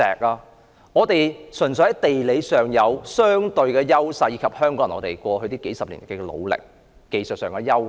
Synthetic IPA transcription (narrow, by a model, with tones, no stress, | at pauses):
ɛ̰ː˨k̚aː˧ | ŋɔː˨˧t̪e˨jsɵ˨˩nsɵ˨˥hɐ˨˥jt̪e˨jle˨˧jsœː˨ŋjɐ˨˧wsœː˥ŋt̪ɵ˧ɥkɛː˧jɐ˥wsɐ˧jiː˨˧kʰɐ˨p̚hœː˥ŋkɔː˨˥ŋɐ˨˩nɔ̰ː˨˧t̪e˨˩jkʷɔː˧ɦɵ˧ɥt̪iː˥ke˨˥jsɐ˨p̚lḭ˨˩n˨˩kːɛ˥˧lo̰˨˧wlɪ̰˨k̚ː | e˨jsə˨t̚sœː˨˩ŋkɛː˧jɐ˥w